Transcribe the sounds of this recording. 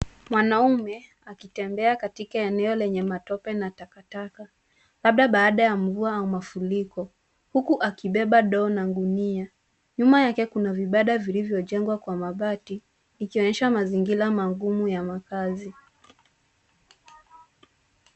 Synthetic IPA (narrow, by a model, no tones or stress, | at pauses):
mwanaumɛ | akitɛmbɛakatikaɛnɛɔlɛɲɛmatɔpɛnatakataka | laɓ̚ɗaɓaːɗajaɱvuaaumafulikɔ | hukuʔakiɓɛɓaɗɔːnaɡunia | ɲumajakɛkunaviɓaɗavilivjɔʄɛŋɡwakwamaɓati | nikiɔɲɛʃamaziŋɡilamaɡumujamakazi